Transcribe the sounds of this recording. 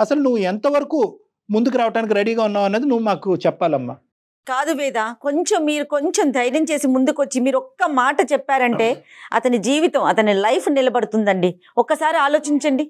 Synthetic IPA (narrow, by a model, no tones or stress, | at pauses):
ɐsɐlunuʋːuent̪ɐʋɐɾɐkuː | mund̪ukuɾaːʋɐʈaːnik̬iɾeɽiːɡaːunːaːʋɐnːeːd̪inuʋːumaːkut͡ʃɛpːaːlɐmːa̰ː | kaːd̪uʋɛːd̪aːko̞ɲt͡ʃemːiːɾuko̞ɲt͡ʃe̞md̪ʱɐjɾɐmt͡ʃe̞ːsimund̪ukʋɐt͡ʃːimiːɾɔkːɐmaːʈɐt͡ʃɛpːaːɾɐɳʈe̞ːɐ̰t̪ɐnid͡ʒiːʋit̪ɐmɐt̪ɐnilɐjpʰnilɐbɐɽut̪und̪ɐɳɖi | ɔkːɐsaːɾiaːlo̞ːt͡ʃiɲt͡ʃɐɳɖi